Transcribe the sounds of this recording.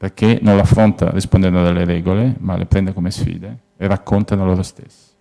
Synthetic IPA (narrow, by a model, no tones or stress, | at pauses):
peɾkʰenõnlafɾont̪a̰rispond̪ɛnd̪d̪alːeɾɛɡolemalʔḛpɾɛnd̪ekomesfḭːd̪e | erakʰːont̪analoɾost̪ḛsː